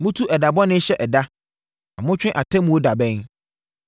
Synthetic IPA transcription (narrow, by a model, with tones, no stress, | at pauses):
mʊ̃˦tʰu˦ʔɛ˨da˨bɔ˦nɪ̃˦ɕɛ˦ʔɛ˨da˦ | a̰˨mʊ̃˦t͡ɕᶣɪ̃˦ʔa˨tʰɛ̃˦mũ˨wo˦da˨bɛ̃˦n